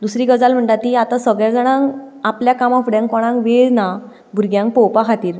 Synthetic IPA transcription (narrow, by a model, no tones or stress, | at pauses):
d̪usɾiːɡəd͡zalm̤əɳʈ̪at̪̚kiat̪asəɡɭjad͡zəɽ̃ãŋapljakamɔfɖɛ̃ŋkɔɽ̃ãŋkʋeɭna | bʱuɾɡjãŋk̚pɔwpakʰat̪iːɾ